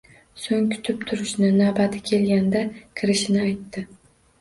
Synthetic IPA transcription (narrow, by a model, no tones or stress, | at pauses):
soŋʲkʰʊ̥t̪ʰɪp̚t̪ʰʊɾɪʃnɪnabat̪ʰɪkʲʰe̞lɡʲand̪akʲʰɪɾɪʃɪnɪajt̪ːɪ